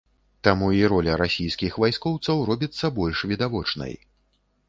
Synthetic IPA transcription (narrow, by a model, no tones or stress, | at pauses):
t̪amuiɾɔlʲɐɾasʲijskʲixvajskɔwt̪sɐwrɔbʲit̪sːɐbɔlʲʂvʲid̪avɔt͡ʂnɐ̰j